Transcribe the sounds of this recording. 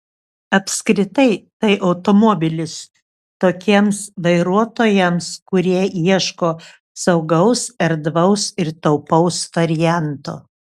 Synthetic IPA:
ɐpʲskɾʲɪt̪ɐɪt̪ɐɪʔɐʊt̪omɔbʲɪlʲɪs | t̪oːkʲiɛmsʋɐɪɾuɔt̪oːjɛmskʊɾʲiɛiɛʃkoː | sɐʊɡɐʊsɐɾd̪ʋɐʊsɪɾt̪ɐʊpɐʊsʋɐɾʲɪjænt̪o̰ː

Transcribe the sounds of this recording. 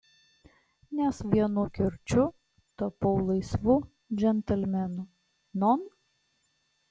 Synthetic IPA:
nʲɛsʋʲiɛnʊkʲɪɾʲt͡ʃʲʊ | t̪ɐpɔʊlˠɐɪsʋʊ | d͡ʒʲɛnʲt̪ʲɛlʲmʲɛnʊ | nɔn

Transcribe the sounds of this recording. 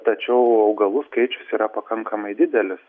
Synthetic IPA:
t̪ɐt͡ʃʲɛʊɐʊɡɐlˠʊskɐɪt͡ʃʲʊsiːɾɐpɐkɐŋkɐmɐɪd̪ʲɪd̪ʲɛlʲɪs

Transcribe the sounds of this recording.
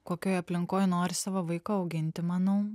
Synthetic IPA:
koːkʲoːjɐpʲlʲɪŋkoːjnoːɾʲɪsɑːʋɐʋɐɪkoːɐʊɡʲɪnʲt̪ʲɪmɑːnɐʊ

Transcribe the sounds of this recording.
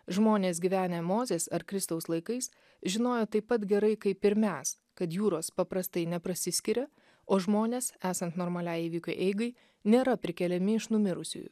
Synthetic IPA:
ʒmoːnʲeːs̬ɡʲiʋʲæːnʲemoːzʲeːsɐɾkɾʲɪst̪ɐʊslˠɐɪkɐɪs | ʒʲɪnoːjot̪ɐɪpːɐt̪ɡʲɛɾɐɪkɐɪpʲɪɾʲmʲæːs | kɐt̪juːɾoːspɐpɾɐst̪ɐɪnʲɛpɾɐsʲɪsʲkʲɪɾʲɛ | oːʒmoːnʲeːsæːsɐnt̪noːɾmɐlʲæːjiːʋʲiːkʲʊːʔɛɪɡɐɪ | nʲeːɾɐpʲɾʲɪkʲɛlʲɛmʲɪɪʃnʊmʲɪɾʊsʲʊ̰jṵ

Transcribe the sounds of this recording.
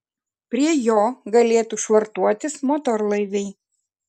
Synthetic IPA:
pʲɾʲiɛjoːɡɐlʲeːt̪uˑʃʋɐɾt̪uɔt̪ʲɪsmɔːt̪ɔɾlˠɐɪʋʲɛɪ

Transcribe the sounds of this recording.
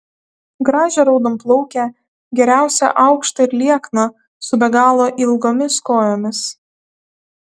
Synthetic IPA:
ɡɾɑːʒʲɛɾɐʊd̪omplˠɔʊkʲɛ | ɡʲɛɾʲæˑʊsʲɛ̰ʔɑʊkʃt̪ɐɪɾlʲiɛknɐ | sʊbʲɛɡɑːlˠoːʔɪlˠɡoːmʲɪskoːjoːmʲɪs

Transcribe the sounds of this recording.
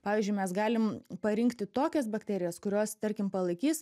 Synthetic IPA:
pɑːʋʲiːzʲd͡ʒʲʊɪmʲɛsɡɑːlʲɪmpɐɾʲɪŋkt̪ʲɪt̪oːkʲɛs̬bɐkt̪ʲæːɾʲɪjɛskʊɾʲoːst̪ɐɾʲkʲɪmpɐlˠɐɪkʲiːs

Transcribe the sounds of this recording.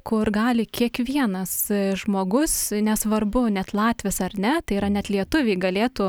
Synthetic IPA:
kʊrɡɑːlʲɪkʲiɛkʋʲiɛnɐsʒmoːɡʊsnʲɛsʋɐrbʊnʲɛt̪lˠɑːt̪ʲʋʲesɐrnʲɛt̪ɐɪiɾɐnʲɛt̪lʲiɛt̪ʊʋʲɛɪɡɐlʲeːt̪uː

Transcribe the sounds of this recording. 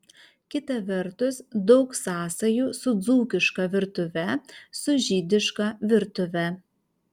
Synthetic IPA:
kʲɪt̪ɐʋʲɛɾt̪ʊsd̪ɒʊksɑːsɐjuːsʊd̪zuːkʲɪʃkɐʋʲɪɾt̪ʊʋʲɛsʊʒʲiːd̪ʲɪʃkɑʋʲɪɾt̪ʊʋʲɛ

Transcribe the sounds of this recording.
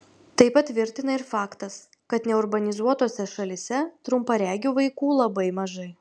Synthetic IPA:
t̪ɐɪpɐt̪ʲʋʲɪɾʲt̪ʲɪnɐɪɾfɑːkt̪ɐs | kɐt̪nʲɛʊɾbɐnʲɪzuɔt̪oːsʲɛʃɐlʲɪsʲɛt̪ɾʊmpɐɾʲæːɡʲʊʋɐɪkuːlˠɐbɐɪmɐʒɐɪ

